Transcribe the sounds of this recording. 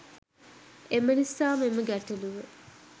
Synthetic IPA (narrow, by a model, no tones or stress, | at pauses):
emənisaːmeməɡæʈɐluʋe